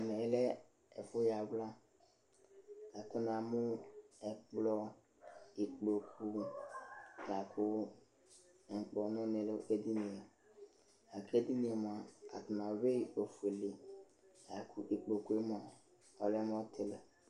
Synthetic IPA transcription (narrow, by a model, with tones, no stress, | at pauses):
mɛ˨˦lɛ˦ | ɛ˨fʊ˦ja˨wla˦ | a˨tʰɪ˦na˨mʊ˦ɛ˨k͡plɔ˦ | i˨k͡po˨kʰu˨ | ja˨kʰʊ˦˨ | ŋ̩˨k͡pɔ˨nʊ̃˦nɪ̃˨le˦di˦nĩ˨e˨ | a˨ke˦di˦nĩ˨˦e˨mʊ˨a˨a̰˨tɪ˨nã˨we˦˨o˨fu˨e˨li˨ | ja˨kʰu˨ʔi˨k͡po˨ku˨˦e˦mʊ˦˨a˨ | ɔ˨lɛ˦m˦ɔ˦tʰɪ˨l